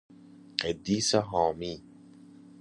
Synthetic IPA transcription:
qed̪iːsaɦɔːmiː

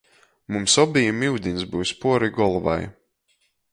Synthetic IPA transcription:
mumsɔbijmiwd̪insbuwspuɔɾiɡɔlˠva̰j

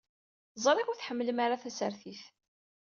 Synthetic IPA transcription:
zˤɾˤɪkuθħəmːləmaɾaθæsəɾθiθ

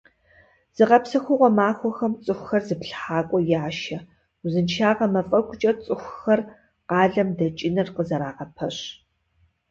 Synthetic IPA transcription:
z̥ɨqɐpsɐxʷʊʁʷɔmaːxʷɔxɐmt͡sʼɨxʷxɐrzɨpɬħaːkʷʼɔjaːʃɐ | zɨnt͡ʃʰaːʁɐmɐfʼɐkʷʼʊt͡ʃʼɐt͡sʼɨxʷxɐr | qɑːɮɐmdɐt͡ʃʼɪnɐrqəzɐɾaːʁɐpʰɐɕ

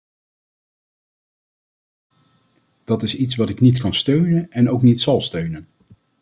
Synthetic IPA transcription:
d̥ɑtɪsitsʋɑtɪknitkɑnstøɥnənɛnowknitsɑlˠstøɥnən

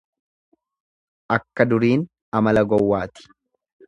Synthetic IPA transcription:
ʔɐkːɐd̪ʊɾiːn | ɐmɐlɐɡɔwːaːt̪ɪ̥

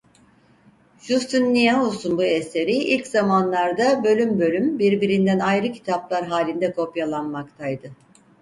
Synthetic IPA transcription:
ʒust̪unːijaɦusunbuese̞ɾiilʲcz̥amanlˠaɾd̪abø̞lʲymbø̞lʲymbiɾbiɾind̪ænajɾɯcʰi̥t̪ʰaplˠaɾɦaːlʲind̪ɛkʰo̞pjalˠanmakt̪ʰajd̪ɯ

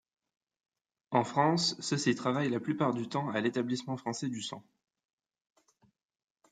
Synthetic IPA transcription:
ɑ̃fχɑ̃sːəsit̪χavajlaplypaʁd̪yt̪ɑ̃alet̪ablismɑ̃fχɑ̃sɛd̪ysɑ̰̃

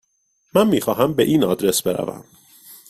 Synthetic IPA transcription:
mænmiːxɒːɦæmbe̞ʔiːnɒ̰ːd̪ɾe̞sbe̞ɾæ̰væ̰m

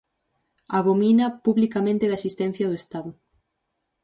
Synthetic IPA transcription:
aβominɐpuβlikamẽnt̪ɪðasist̪ɛ̃n̟θjɐðʊest̪aðʊ

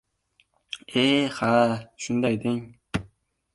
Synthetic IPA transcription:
ehaʃʊnd̪ajd̪ɪŋ

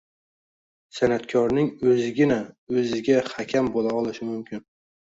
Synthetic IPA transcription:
sanat̪kʰɒɾnɪŋɵzɪɡʲɪnaɵzɪɡʲahakʲʰambolaɒlˠɪʃɪmʊmkʲʰɪn

